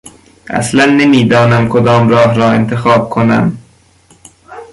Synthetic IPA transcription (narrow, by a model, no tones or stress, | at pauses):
ʔæ̰slænːemiːd̪ɒːnæmkʰod̪ɒːmɾɒːɦɾɒːent̪ʰe̞xɒːb̚kʰonæ̰m